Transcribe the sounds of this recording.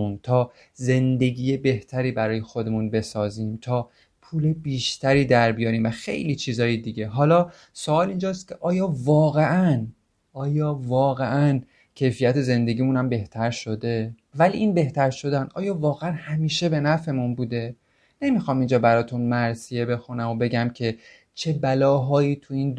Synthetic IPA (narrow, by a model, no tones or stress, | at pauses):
unt̪ʰɒː | ze̞nd̪e̞ɡiːjebe̞ht̪ʰæɾiːbæɾɒːje̞xo̞d̪e̞munbe̞sɒːziːmt̪ʰɒː | pʰuːle̞biːʃt̪ʰæɾiːd̪æɾbijɒːɾiːmvæxḛjliːt͡ʃʰiːzɒːjed̪iɟe̞ɦɒːlɒː | soɒːlind͡ʒɒːst̪̚cʲʰe̞ʔɒːjɒːvɒːɣe̞ʔæn | ʔɒːjɒːvɒːɣeʔæn | cʰe̞jfijæt̪ʰe̞ze̞nd̪e̞ɡiːmunæmbe̞ht̪ʰæɾʃo̞d̪e̞vælḭʔiːnbe̞ht̪æɾʃo̞d̪ænd̪̥ʔɒ̰ːjɒːvɒːɣeænhæmiːʃe̞be̞næfe̞munbuːd̪e̞ | ne̞mixɒːmind͡ʒɒːbæɾɒːt̪ʰunmæɾsije̞be̞xunæmo̞be̞ɟæmcʰe̞ | t͡ʃʰe̞bælɒːɦɒːjiːt̪ʰuiːnd̪